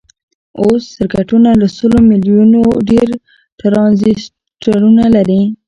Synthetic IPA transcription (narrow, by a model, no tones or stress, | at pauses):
osːɪɾkaʈunaləsəlomiljunoɖeɾ | ʈɾɑnzis | ʈaɾunalaɾi